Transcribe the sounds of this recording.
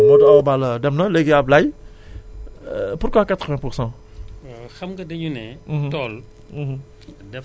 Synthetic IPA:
mɔdabalədɛmnəleɡeablaj | puɾkwakat̪ʁəvɛ̃puʁsɑ̃ | xɐmkɐdəɲunɛm̩̃tɔl̩ | dɛ

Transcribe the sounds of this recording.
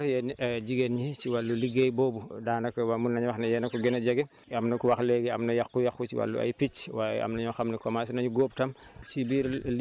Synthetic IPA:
jɛnd͡ʒiɡenɲit͡ʃiwalːuliɡejbɔːbudaːnɐkwamunːɐɲwɐxnɐjɛnɐkuɡɛnɐɟɐɡɛ | ɐmnɐkuwɐxlɛɡɛɐmnɐjɐkːujɐxut͡ʃiwa̰lːṵɐ̰jpit͡ʃwaːjɛ̰ɐ̰mnɐɲɔxɐmnɐkɔmasinɐɲuɡɔːp̚tɐmsibiːɾl

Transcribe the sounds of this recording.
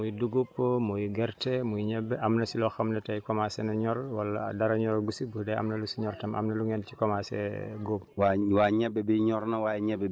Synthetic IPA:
mujduɡopːomujɡɛɾtɛmujɲɛbːɛʔɐmnɐsilɔxɐmnɐtajkɔmasɛnɐɲɔɾwalːadaɾaɲɔɾɡusibudɛa̰mnɐlusiɲɔɾtɐmʔa̰mnɐluŋɛnt͡ʃi̥kɔmasɛ̰ɡobwawaɲɛbːɛbiɲɔɾnawajɛɲɛbɛ

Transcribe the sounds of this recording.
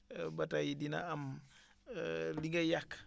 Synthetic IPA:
batajidina̰am | liŋɡajakː

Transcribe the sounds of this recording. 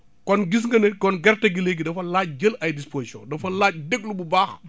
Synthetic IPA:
kɔnɡis̬ŋɡɐnɛkɔnɡɛrtɐɡileɡidɐfɐlaːc̚d͡ʒəlɐjdisposisɔ̰̃dɐfɐlaːc̚deɡlububaːx

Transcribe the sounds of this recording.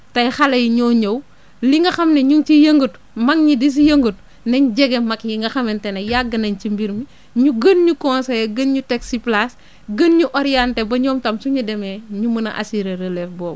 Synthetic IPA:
tɐjxɐlɐjiɲɔɲɐw | liŋɡɐxɐmneɲuŋt͡ʃijɐŋɡut | mɐŋɲidis̬ijɐŋɡut | nɐɲɟɛɡemɐkjiŋɡɐxɐmɛntɛnɐjaɡːɐnɐɲt͡ʃimbiɾmi | ɲuɡɐnɲukɔnsɐjɡənɲutɛksiplas | ɡənɲuʔɔɾijantebɐɲɔːmtɐmsuɲudɛmeːɲumɐnɐ̰ʔa̰siɾeɾelɛfbɔːm

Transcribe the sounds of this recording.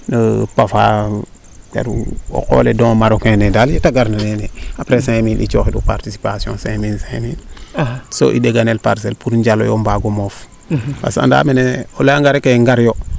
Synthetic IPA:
nəpafa | ba̰ɾo̰ko̰ledõŋmaɾokẽnedaljetaɡaɾnaneneapɾesẽminʔḭt͡ʃoːxidupaɾtisi̥pasijõ̰nsẽminsẽmin | so̰ʔḭdeɡanelpaɾs̬elpuɾɲɟalo̰jombaɡomof | pa̰sa̰nda̰meneolaŋɡaɾekeŋɡaɾjo

